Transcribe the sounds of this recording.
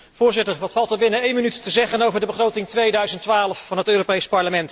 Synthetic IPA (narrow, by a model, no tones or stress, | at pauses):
v̥ʊːɹzɪtəɹʋɑtfɑlˠtəɹbɪnəejnmənytːəzɛχənowvəɹdəbəχrowtɪŋtʋejdœɥzəntʋaːləfːɑnɦətøːropejspɑɹləmɛnt